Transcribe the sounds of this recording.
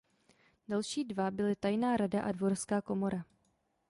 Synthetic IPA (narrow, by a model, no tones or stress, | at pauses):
d̥alʃiːdvabɪlɪt̪ajnaːɾadaʔadvoɾskaːko̞mo̞ɾʔa